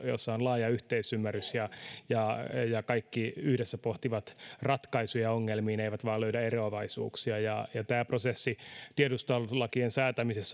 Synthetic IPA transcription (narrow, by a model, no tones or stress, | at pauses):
jo̰sːɑonlɑːjɑyht̪eisymːærysjɑjɑjɑkɑikːiyhɾesːæpoht̪iʋɑt̪rɑt̪kɑisujɑoŋːelmiːneiʋæt̪ʋɑːløydæeroɑʋɑisṵːksiɑjɑjɑt̪æːprosesːit̪iedust̪ɑllɑkiensæːt̪æmisesː